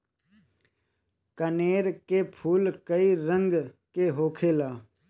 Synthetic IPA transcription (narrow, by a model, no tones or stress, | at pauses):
kəneːɾkepʰuːlkəiɾə̃ŋɡ | keɦoːkʰeːlaː